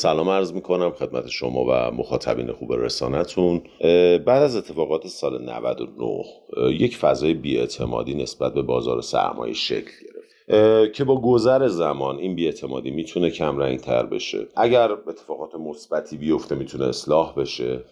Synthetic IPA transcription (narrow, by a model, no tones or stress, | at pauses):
sælɒːmæɾzmiːkʰo̞næmxe̞d̪̚mæt̪ʰe̞ʃo̞mɒ̰ːvæ̰moxɒːt̪ʰæ̰bḭːne̞xuːbe̞ɾe̞̰sɒ̰ːnæt̪ʰunbæːd̪æzet̪ʰːefɒːɣɒːt̪ʰesɒːlenæ̰væ̰d̪o̞̰no̰hje̞cfæzɒːjebiːe̞t̪ʰe̞mɒ̰ːd̪iːne̞sb̥æt̪̚be̞bɒːzɒːɾosæ̰ɾmʔɒ̰ːjḛʃe̞̰cʰlɟe̞ɾe̞f | cʰe̞bɒːɡozæɾe̞zæmɒːninbiːe̞t̪ʰe̞mɒːd̪iːmiːt̪ʰune̞cʰæmɾæḭnt̪ʰæ̰ɾbe̞̰ʃe̞̰ʔæɟæɾe̞t̪ʰːefɒːɣɒːt̪ʰemosb̥æt̪ʰiːbijo̞ft̪e̞miːt̪ʰuneeslɒːhbe̞ʃe̞